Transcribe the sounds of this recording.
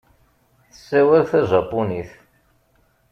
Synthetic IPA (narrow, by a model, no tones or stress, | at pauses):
θə̥sːæwælθæʒɑpːuniθ